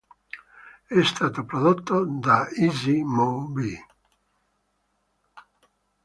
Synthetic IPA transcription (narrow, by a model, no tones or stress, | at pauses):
ɛst̪aːt̪opɾod̪ot̪ːod̪aizimobi